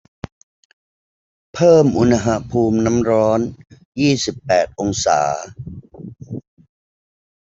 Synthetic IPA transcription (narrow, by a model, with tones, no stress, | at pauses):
pʰɤː˥˩mʔu˧n˧ɦa˨˩pʰuː˧mna˦˥mɾɔː˦˥n | jiː˥˩si˨˩pːɛː˨˩t̪̚ʔo˧ŋsa̰ː˩˦